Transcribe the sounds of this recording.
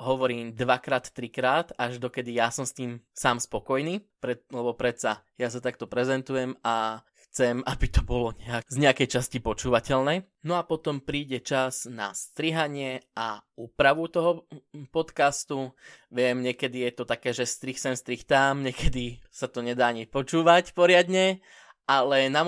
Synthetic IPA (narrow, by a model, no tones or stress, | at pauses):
ɦɔʋɔɾiːmd̪ʋakɾaːt̪ːɾikɾaːt̪aʒd̪ɔkɛd̪ijasɔmst̪iːmsaːmspɔkɔjniːpɾɛlɛbɔpɾɛt̪sajas̬at̪ak̚t̪ɔpɾɛzɛnt̪ujɛma | xt͡sɛmabit̪ɔbɔlɔɲɛazɲɛakɛjt͡ʃascipɔt͡ʃuːʋacɛʎnɛː | nɔapɔt̪ɔmpɾiːɟɛt͡ʃazna̰st̪ɾiɦaɲɪɛauːpɾaʋut̪ɔɦɔpɔt̪kast̪uʋɪɛmɲɛkɛd̪ijɛt̪ɔt̪akɛːʒɛst̪ɾixsɛmst̪ɾixt̪aːmɲɛkɛd̪isat̪ɔɲɛd̪aːɲipɔt͡ʃuːʋacpɔɾɪad̪ɲɛ | ʔalɛna